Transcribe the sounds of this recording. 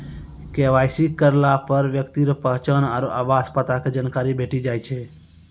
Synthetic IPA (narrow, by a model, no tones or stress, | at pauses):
keʋaːjsikəɾlapəɾʋjəkt̪iɾəpəɦt͡ʃənaɾoʔabaspət̪akʰed͡ʒənkaːɾibʱeʈid͡ʒaːjt͡ʃʰe